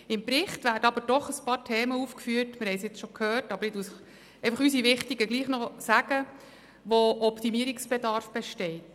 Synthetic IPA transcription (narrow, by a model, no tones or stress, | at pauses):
ɪmpɾɪχtvæːɾdəɑbəɾd̥ɔχəspɑːɾtʰɛːməuːfkfyːəɾtmɪɾhɛɪsjɪt͡sʃɔkʰhøːrtɑbəɾɪdusɪχ | ɛɪfɑχysiʋɪχtiɡəɡliːχnɔsæɡ̥ə | ʋoʔɔptimiəɾiksb̥edɑɾfb̥ɛʃtɛɪt